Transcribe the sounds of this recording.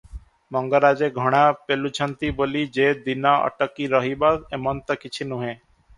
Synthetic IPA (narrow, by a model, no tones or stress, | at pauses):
mɔŋɡəɾaːd͡ʒeɡʱɔɽ̃aːpelut͡ʃʰənt̪iboːlid͡ʒeːd̪inaə̰ʈəkːiɾəɦibat̪emɔnt̪əkɪt͡ʃʰinũɦẽ